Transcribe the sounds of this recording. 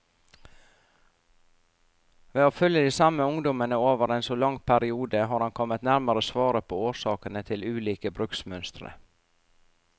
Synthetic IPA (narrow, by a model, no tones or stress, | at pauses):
ʋeːoːfœljəd̪iːsɑməʊŋd̪ɔmənəoːʋəɾeːnsoːlɑŋpʰæɾɪuːd̪əɦɑːɾhɑnkʰɔmət̪næɾməɾəsʋɑːɾəpʰoːoːʃɑːkənət̪ʰɪlʉːliːkəbɾʉksmœnst̪ɾə̰